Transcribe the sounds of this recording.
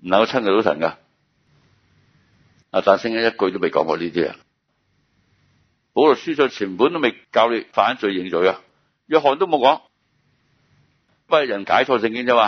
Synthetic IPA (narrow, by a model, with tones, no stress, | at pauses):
m̩˨˩˨ŋkɐ˧˥t͡sʰɐ˥nkɛ˧to˨˥wsʰɐ̰˨˩nkaː˧ | aː˨t̪aː˨nsɪ˥ŋa˥jɐ˥t̚kɵ˧t̪o˥me˨jkɔ̰˨˥kɔ̰ː˧liː˥t̪iː˥a̰˨˩ | po˨˥wlʊ˨k̚syː˥sɵ˧˩t͡sʰiː˨˩mpuː˨˥nt̪o˥me˨jkaː˧wli˨˥faː˨˥nt͡ʃɵ˨˧ɥjɪ˨ŋt͡sɵ˨˥ka˧ | jœː˧˨ɦɔː˨˩nt̪wmo˨˧wkɔː˨˥ŋ | paː˨˧ljɐ˨˩nka̰ː˨˥jt͡ʃʰɔː˧s̬ɪ˧ŋkɪ˥ŋt͡sʰɐ˥waː˨˧